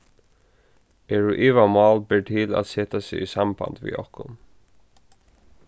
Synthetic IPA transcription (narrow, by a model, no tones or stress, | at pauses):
ɛɹuʔɪʋamɑːl̚bɛɹʈʰɪla̰t̪sɛːt̪asɪisamba̰nd̪ʋḭːɔ̰hkʊn